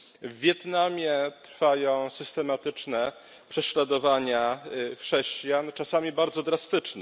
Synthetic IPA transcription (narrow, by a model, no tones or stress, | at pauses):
vʲːjɛt̪namʲjɛt̪ɾfajɔ̃w̃sɘst̪ɛmat̪ɘt͡ʂnɛ | pʂɛɕlad̪ɔvaɲaxʂɛɕt͡ɕjant͡ʂasamʲibaɾd̪zɔd̪ɾast̪ɘt͡ʂnɛ